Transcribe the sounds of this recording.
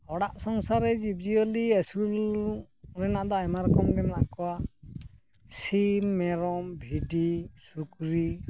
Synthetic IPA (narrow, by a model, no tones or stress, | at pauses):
ɔɽaʔsɔŋsaɾɛd͡ʒib̚d͡ʒiɔliesul | ɾɛnaʔd̪ɔajmaɾkɔmɡɛmɛnaʔkɔwa | simːɛɾɔmbʱiɖisukɾi